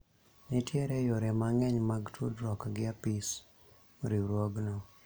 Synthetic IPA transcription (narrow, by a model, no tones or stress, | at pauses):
nɪtjɛɾɛjoɾɛmaŋɛɲmaɡtʰudɾɔkɡɪapis | ɾiɾwoɡnɔ